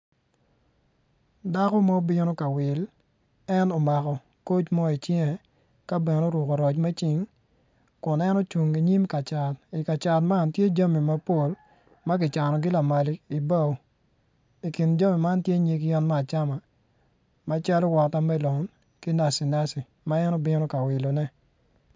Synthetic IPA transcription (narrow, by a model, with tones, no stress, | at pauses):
da˦kɔ˦ma˦bɪ˦no˦ka˨wɪ˨l | ɛ˦no˨ma˨kɔ˨ | ko˦t͡ʃmɔ˦i˨t͡ʃjɛ˦ŋɛ˨ | ka˦bɛ˨no˦ɾwʊ˨ko˨ɾɔ˨t͡ʃmɛ˦t͡ʃɪ˨ŋ | kʊ˨nɛ˦no˦t͡ʃu˨ŋi˨ɲi˦mka˨t͡ʃa˨ti˨ka˨t͡ʃa˨tma˦˨ntje˦d͡ʒa˦mi˨ma˦po˦l | ma˦ɡɪ˨t͡ʃa˨nɔ˨ɡɪ˦la˨ma˨li˨˦i˨ba˦o˨ | i˨ki˨nd͡ʒa˦mi˨ma˦ntje˦ɲe˨ɡi˦ɔ˦nma˦a˨t͡ʃa˦ma˨ | ma˦t͡ʃa˦lɔ˦wɔ˨ta˦mɛ˦lɔ˨n | ki˦na˨si˨na˦si˨ | ma˦ɛ˦nɔ˦bɪ˦nɔ˦ka˨wɪ˨lo˨nɛ˦